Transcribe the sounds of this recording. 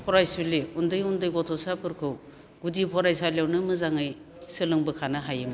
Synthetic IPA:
pʰɔɾajsuleundɯjundɯjɡɔtʰɔsapʰɯɾkʰɯw | ɡ̥udipʰɔɾajsajlawnɯmɯzaŋɯj | sɯlɯŋbɯkʰanɯɦajɯm

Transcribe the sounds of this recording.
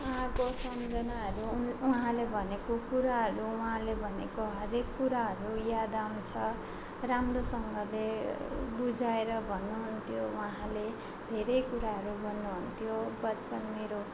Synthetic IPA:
uɦãkosʌmd͡zʌnaɦʌɾunuɦãlebʱʌnekokuɾaɦʌɾuuɦãlebʱʌnekoɦʌɾekːuɾaɦʌɾujad̪awnt͡sʰʌ | ramrosʌŋɡʌlebud͡zaeɾʌbʱʌnːuɦunt̪ʰjouɦãle | d̪ʱeɾʌjkuɾaɦʌɾubʱʌnːuɦunt̪ʰjobʌt͡spʌnmeɾo

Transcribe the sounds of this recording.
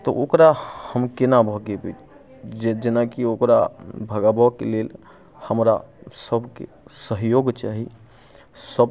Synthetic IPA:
t̪ɔʔokɾahəmkenabʱəɡebit͡ʃ | d͡ʒed͡ʒenakiokɾa̰bʱəɡabɔkelel | həmɾasəbʱkḛ | səɦjoɡt͡ʃaɦi | səb

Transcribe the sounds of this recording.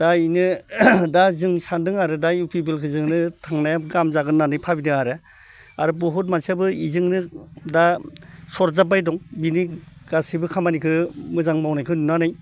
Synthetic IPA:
d̥ainɯdazɯŋsandɯŋaɾɯdajupʰibelkʰɯzɯŋnɯtʰaŋnajaɡamzaɡɯnːanɯjpʰabidɯŋaɾɯ | aɾɯbɔɦutmansabɯizɯŋnɯdasɔɾzab̬ajdɔŋbiniɡ̥asibɯkʰamanikʰɯmɯzaŋmawnajkʰɯnunanɯj

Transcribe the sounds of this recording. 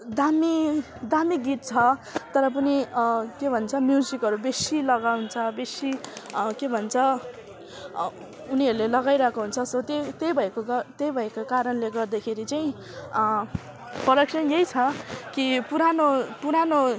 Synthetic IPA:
d̪ami | d̪amiɡit̪̚t͡sʰʌt̪ʌɾʌp̬ʌnikebʱʌnt͡sʰʌmjud͡zikʌɾubesilʌɡawnt͡sʰʌbesikebʱʌnt͡sʰʌ | uniʌɾulelʌɡajɾʌkoɦunt͡sʰʌsʌt̪et̪ejbʱʌekoɡʌt̪ejbʱʌekokaɾʌnleɡʌrd̪akʰeɾit͡saj̃ | pʌrʌksʌnjejt͡sʰʌkipuɾanopuɾano

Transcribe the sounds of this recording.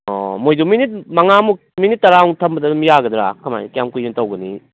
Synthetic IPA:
ɔ̰mojduminit̚mɐŋamu | minit̚ːɐɾaɔŋtʰɐmbɐdɐmijaɡɐd̪ɾa̰kʰɐma̰jkjamkujuntɐwɡɐnḭ

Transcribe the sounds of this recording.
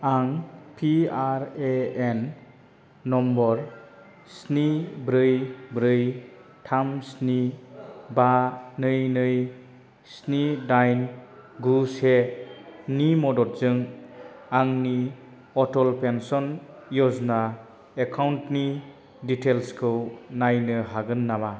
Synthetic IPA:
aŋpʰiaɾeenː | ɔmbɔɾ | snibɾɯjbɾɯj | tʰamsni | banɯjnɯj | snidajnɡuse | nimɔdɔt̚zɯŋ | aŋni | ɔtɔlpensɔn | jɔzna | ekʰawntni | ditelskʰɯwnajnɯɦaɡɯnːaba

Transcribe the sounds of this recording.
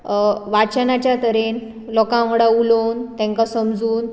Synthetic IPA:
ʋat͡ɕənat͡ɕjat̪əɾen | lɔkãɦɽaulont̪ɛ̃ŋkasəmd͡zuːn

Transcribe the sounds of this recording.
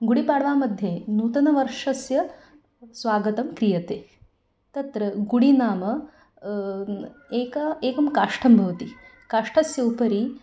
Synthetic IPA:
ɡuɽipaːɽʋamɐd̪ʱjenuːt̪ɐnɐʋɐɾʂɐsjɐ | sʋaːɡɐt̪ɐmkɾijɐt̪e | t̪ɐt̪ɾɐɡuɽinaːmɐ | eːkaeːkɐmkaʂʈʰɐmbʱɐʋt̪i | kaʂʈʰɐsjɐupɐɾi

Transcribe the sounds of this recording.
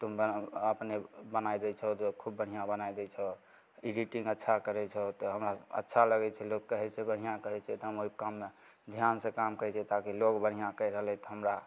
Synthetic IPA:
t̪umbəəpnebənajd̪ɛt͡ʃʰɔt̪ɔkʰubːəɽ̤ijãbənajd̪ɛt͡ʃʰɔ | iɖiʈĩŋɡətːʃʰakəɾɛt͡ʃʰɛt̪ɔɦəmɾaə̰tːʃʰaləɡɛt͡ʃʰɛlokkəɦɛt͡ʃʰɛbəɽ̤ijãkəɾɛt͡ʃʰɛt̪ɔɦəmoikamːe | d̪ʱjansẽkamkəɾɛt͡ʃʰɛt̪akilokbəɽ̤ijãkəjɾəɦəlɛt̪ɔɦəmɾa

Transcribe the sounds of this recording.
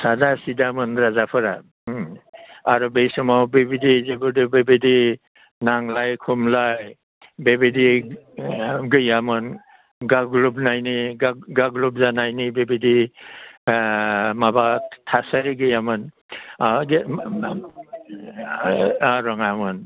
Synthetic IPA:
sadasidamɯnɾazapʰɯɾa | aɾɔbejsɔmawbebidizeɡuɾdɯbebedi | naŋlajkʰumlaj | bebedi | ɡɯjamɯn | ɡaɡɾubnajniɡaɡaɡɾup̚zanajnibebedi | mabatʰasaɾiɡɯjamɯn | ɡ | aɾɔŋamɯn

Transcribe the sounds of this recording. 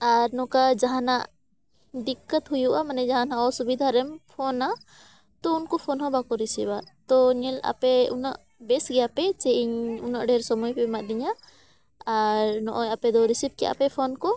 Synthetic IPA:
aɾnɔkad͡ʒaɦanaʔ | ɖikːət̪ɦujuʔamanɛd͡ʒaɦanaʔɔsubid̪ʱaɾɛmpʰɔna | t̪ɔunkɔpʰɔnhɔ̃bakɔɾisibat̪ɔɲɛla̰pɛunaʔ | bɛsɡɛjapɛt͡ʃɛʔiɲunaʔɖɛɾsɔmujpɛmaʔd̪iɲaː | ɾnɔʔɔjapɛd̪ɔɾisip̚kɛ̰ʔa̰pɛpʰɔnkɔ

